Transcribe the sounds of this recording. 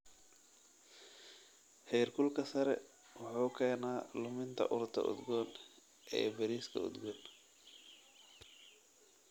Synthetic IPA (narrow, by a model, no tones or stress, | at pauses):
hɛjɾkʰʊlkʰɐsɐɾɛ̰ | wʊħuːkʰɛːnaːlʊmɪnt̪ʰɐ̰ʔʊɾt̪ʰɐ̰ʔʊ̰d̪ɡɔːn | ʔɛ̰ːbɐɾiːskʰɐ̰ʊ̰d̪ɡɔːn